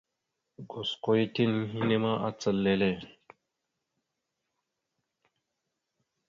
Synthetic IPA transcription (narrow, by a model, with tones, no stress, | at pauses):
ɡo˨sko˦i˦ti˦nɦi˦ne˦ma˦a˦t͡sə˨lːe˦le˦˨